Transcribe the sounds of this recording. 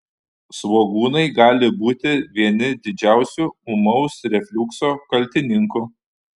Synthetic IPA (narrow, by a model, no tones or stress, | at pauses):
sʋoːɡuːnɐɪɡɑːlʲɪbuːt̪ʲɪʋʲiɛnʲɪd̪ʲɪd͡ʒʲæˑʊsʲuʊmɐʊsɾʲɛfʲlʲʊksoːkɐlʲˑt̪ʲɪnʲɪŋkʊ